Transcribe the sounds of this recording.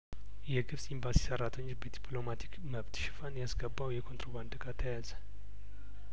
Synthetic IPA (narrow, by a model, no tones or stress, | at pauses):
jɛɡɨbsʼimbasi̥səɾːat̪ʰəɲːobəd̪ipʰʼlo̞mat̪ʰi̥kməβt̪ʃɪ̥fanjasɡəbːawjɛkʰo̞nt̪ʰɾo̞βand̪ɨɡat̪ʰəjazə